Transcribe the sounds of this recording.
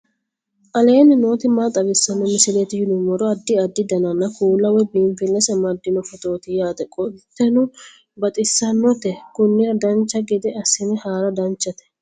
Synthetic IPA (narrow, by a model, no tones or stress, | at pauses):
ʔɐle̞ːnɪno̞ːt̪ɪmat̪ʼɐbɪsːɐnːɔmɪsɪlet̪ɪjɪd̪ʊmɔɾɔɐd̪ːɪɐd̪ːɪd̪ɐnɐnːɐkuːlːɐwɛbiːmfɪlːɛsɛmɐd̪ɪnɔfɔt̪ʼo̞ːt̪ɪjaːt̪ɛkʼɔdɪt̪ːɛnʊ | bɐt̪ʼɪsːɐnːɔt̪ɛkʊnːɪɾɐd̪ɐnt͡ʃːɐɡɪd̪ɛɐsɪnɛhaːɾɐd̪ɐnt͡ʃːɐt̪ɛ̥